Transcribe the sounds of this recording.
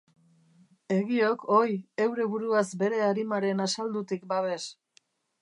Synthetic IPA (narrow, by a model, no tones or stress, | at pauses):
e̞ɣio̞ko̞je̞wɾe̞βuɾuazbe̞ɾe̞aɾimaɾe̞nasald̪ut̪ik̚baβe̞s